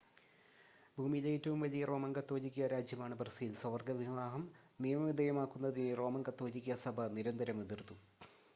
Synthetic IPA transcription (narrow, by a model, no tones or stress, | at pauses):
bʱuːmilɐjitːɐʋumʋɐlijɐro̞ːmɐŋɡɐt̪ːo̞ːd͡ʑikʲːɐɾaːd͡ʑʱjɐmaːɳɨbɐrsijilsɐʋɐrɡɐʋiɦʋaːɦɐm | nijɐmɐʋid̪ʱɐjɐmaːkːunːɐðinero̞ːmɐŋɡɐt̪ːoːd͡ʑikʲːiɐsɐbʱɐniɾɐnd̪ɐɾɐmeðirt̪u